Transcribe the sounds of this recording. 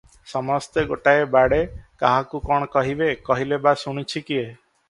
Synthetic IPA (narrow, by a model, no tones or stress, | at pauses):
sɔmɔst̪eɡoʈaebaɽekaɦakukɔɽ̃ɔkɔɦibekɔɦilebasuɽ̃it͡ʃʰikie